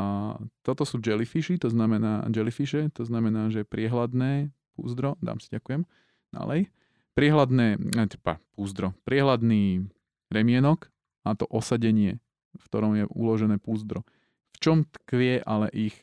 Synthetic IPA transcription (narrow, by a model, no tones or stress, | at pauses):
t̪ɔt̪ɔsuːd͡ʒɛlifiʃit̪ɔznamɛna̰ːd͡ʒɛlifiʃɛt̪ɔznamɛnaːʒɛpɾɪɛɦlad̪nɛːpṵːzd̪ɾɔd̪a̰ːmsiɟakujɛm | d̪̥a̰lɛ̰j | pɾɪɛɦlad̪nɛːat̪ɛpa̰puːzd̪ɾɔpɾɪɛɦlad̪niː | ɾɛmɪɛnɔk | at̪ɔʔɔsaɟɛɲɪɛ | fkt̪ɔɾɔmjɛṵlɔʒɛnɛːpuːzd̪ɾɔ | ft͡ʃɔmt̪kʋɪɛʔalɛ̰ʔix